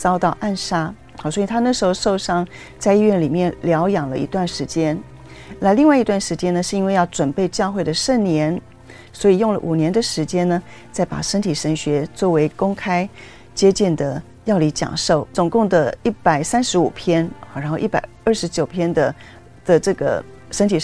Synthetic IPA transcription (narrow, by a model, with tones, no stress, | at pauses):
t͡sɑ˥ʊt̪ɑ˥˧ʊʔa˥˩nʂa˥˨˩ | swɔ˧˥i˨˩t̪ʰa˥na˥˩ʂ̩˧˥xo˥˧ʊʂo˥˧ʊʂɑ˥˩ŋ | t͡sa˥˧ɪi˥˧ɥɛ˥˩nli˨˩mjɛ˥˩nljɑ˧˥ʊjɑ˨˩ŋlə̰˦˧ḭ˧˥t̪wa˥˩nʂɻ̩˧˥t͡ɕjɛ˥n | na˥˧li˥˧ŋwa˥˩ɪi˧˥t̪wa˥˩nʂɻ̩˧˥t͡ɕjɛ˥nə˨˧ʂɻ̩˥˧i˥nwe˥˧ɪjɑ˥˩ʊʈ͡ʂwə˨˩npe˥˧ɪt͡ɕjɑ˥˧ʊxwe˥˩ɪd̪ə˩ʂə˥˩nnjɛ˧˥n | swɔ˧˥i˨˩jʊ˥˩ŋlə̰˨ʔu˨˩njɛ˧˥nd̪ə˨ʂɻ̩˧˥t͡ɕjɛ˥nnə˨ | t͡sa˥˩ɪpa̰˨˩ʂə˥nt̪ʰi˨˩ʂə˧˥ŋɕɥɛ˧˥t͡swɔ˥˩we˧˥ɪkʊ˥ŋkʰa˥ɪ | t͡ɕjɛ˥t͡ɕi˥˩nd̪ə˩ | jɑ˥˩ʊli˧˥t͡ɕjɑ̰˨˩ŋʂo˥˩ʊt͡sʊ˨˩ŋkʊ˥˩ŋd̪ə˩i˥˩pa˨˩ɪsa˥nʂɻ̩˧˥u˨˩pʰjɛ˥n˨˩ɻa˧˥nxo˥˧ʊʔi˥˩pa̰˨˩ɪə˞˥˩ʂɻ̩˧˥t͡ɕjo˨˩ʊpʰjɛ˥nd̪ə˨ | d̪̥ə˨ʈ͡ʂɤ˥˩ɡə̰˩ | ʂə˥nt̪ʰi˨˩